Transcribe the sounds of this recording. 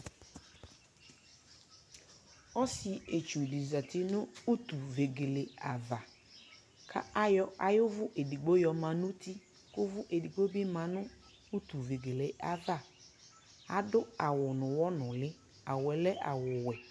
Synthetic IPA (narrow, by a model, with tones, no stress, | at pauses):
ɔ˦sɪ˨e˨t͡ʃu˨di˨za˨t̪ɪ˦nʊ̃˦u˦t̪u˨ve˨ɡe˨le˨a˨va˨ | kʰa̰˦a˦jɔ˦a˨jʊ˦vʊ˦ʔe˨di˨ɡ͡bo˦jɔ˨mã˨nũ˦t̪i˦ | kʊ˦vʊ˦ʔe˨di˨ɡ͡bo˦bi˦mã˨nʊ̃˦ | u˦t̪u˨ve˨ɡe˨le˨ʔa˨va˦˨ | a˨dʊ˦a˨wʊ˨nʊ̃˨wɔ˦nʊ̃˨lɪ˦ | a˨wɛ˨lɛ˦ʔa̰˨wʊ˨wɛ˨